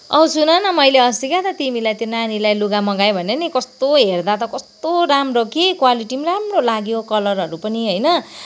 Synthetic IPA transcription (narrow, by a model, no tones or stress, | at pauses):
ʌ̰usunʌnʌmʌjleʌsikat̪ʌt̪imilajt̪jonanilajluɡamʌɡajbʱʌneʌnikʌst̪oɦerd̪at̪ʌkʌst̪oɾamrokekwaliʈimramrolaɡjokʌlʌrɦʌɾupʌniɦojnʌ